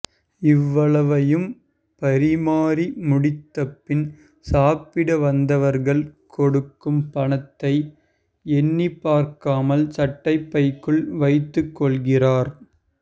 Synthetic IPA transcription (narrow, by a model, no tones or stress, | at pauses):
ɪʋːɐɭɐʋɐjɯm | pɐɾɪmaːɾimʊɽɪt̪ːɐpːɪn | saːpɪɽɐʋɐnd̪ɐʋɐɾɣɐɭkʰɔɽɯkːɯmpɐɳɐt̪ːɐɪ | ɛnːipːaːɾkaːmɐlsɐʈːɐɪpːɐɪkːɯɭʋɐɪt̪ːɯkːɔɭɣɪraːɾ